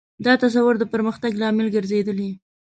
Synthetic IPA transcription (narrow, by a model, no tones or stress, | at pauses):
d̪ɑt̪as̬awʊɾd̪əpəɾməxt̪aɡlɑmɪlɡəɾzed̪əli